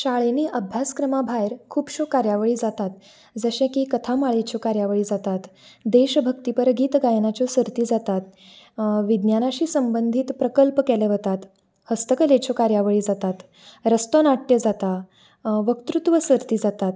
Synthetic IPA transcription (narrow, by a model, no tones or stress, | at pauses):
ɕaɭeniːʔəbʱjaskɾəmabʱajɾkʰuːpɕokaɾjaʋəɭiːd͡zat̪at̪ | d͡zəɕẽkiːkət̪ʰamaɭet͡ɕokaɾjaʋəɭiːd͡zat̪at̪d̪eɕbʱəkt̪ipəɾɡiːt̪ɡajnat͡ɕɔsəɾt̪iːd͡zat̪at̪̚ | ʋid̪njanaɕiːsəmbənd̪ʱiːt̪pɾəkəlpkɛleʋət̪at̪ | həst̪əkəlẽt͡ɕʰokaɾjaʋəɭiːd͡zat̪at̪ | ɾəst̪onaʈjəd͡zat̪a | ʋəkt̪ɾut̪ʋəsəɾt̪iːd͡zat̪at̪